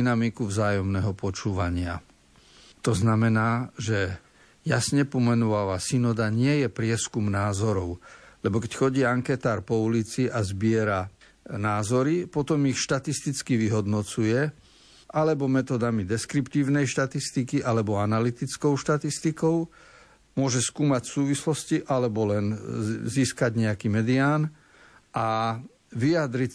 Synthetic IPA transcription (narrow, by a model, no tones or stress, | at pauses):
inamikuvzaːjɔmnɛɦɔpɔt͡ʃuːʋaɲɪa̰ | t̪ɔznamɛnaːʒɛ | jasɲɛpɔmɛnɔʋaʋasinɔd̪aɲɪɛjɛpɾɪɛskumnaːzɔɾɔʊlɛbɔkɛcxɔɟiːaŋkɛt̪aːɾpɔulit͡siʔazbɪɛɾa | naːzɔɾipɔt̪ɔmixʃt̪at̪ist̪it͡skiʋiɦɔd̪nɔt͡sujɛ | ʔalɛbɔmɛt̪ɔd̪amid̪ɛskɾipt̪iːʊnɛjʃt̪at̪ist̪ikiʔalɛbɔanalit̪it͡skɔʊʃt̪at̪ist̪ikɔʊ | mʊɔʒɛskuːmacsuːʋislɔsciʔalɛbɔlɛnziːskaɟɲɛakiːmɛd̪iaːn | ʔa | ʋijad̪ɾi